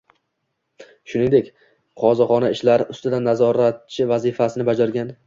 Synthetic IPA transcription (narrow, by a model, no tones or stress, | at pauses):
ʃʊnɪŋd̪ekʲ | qʰɒzaχɒnaɪʃlaɾʊst̪ɪd̪anːazɒɾat̪̚t͡ʃʰɪvazɪfasɪnɪbad͡ʒaɾɡʲan